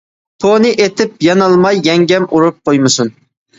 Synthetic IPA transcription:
t̪ʰonɨʔet̪ʰɪpjɑnɑlˠmɑjːɛŋɡʲɛmʔuɾup̚qʰojmɨsun

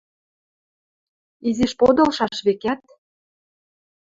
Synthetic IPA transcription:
iziʃpod̪ɤ̆lʃɑʃβekæt̪̚

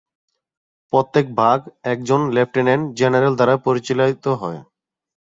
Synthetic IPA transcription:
pot̪ːek̚bʱaɡɛk̚d͡ʑonlep̚ʈenend͡ʑenaɾeld̪aɾapoɾit͡ɕilat̪oɦɔe

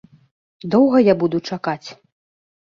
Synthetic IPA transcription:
d̪ɔwɣɐjabud̪ut͡ʂakat͡sʲ

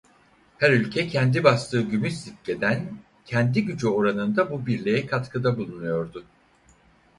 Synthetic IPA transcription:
hæɾylʲcʰɛcʰɛnd̪ibaslˠɯːɟymyszit̪̚cːe̞d̪æn | cʰɛnd̪iɟyd͡ʒyo̞ɾanɯnd̪abubiɾlʲe̞jɛkʰat̪kʰɯd̪abulˠunujo̞ɾd̪ʊ

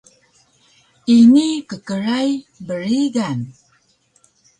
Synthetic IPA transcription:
inikəkəɾaj | bəɾiɡan

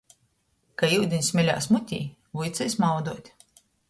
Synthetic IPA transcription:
kaiwd̪ʲinʲsʲmʲɛlʲa̰ːsmut̪ʲḭː | vujt̪sɛjsmawd̪uɔt̪ʲ

